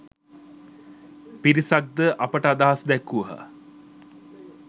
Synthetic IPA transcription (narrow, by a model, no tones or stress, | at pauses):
piɾisak̚d̪əʔɐpəʈəad̪aɦasd̪ɛkːuʋəɦə̰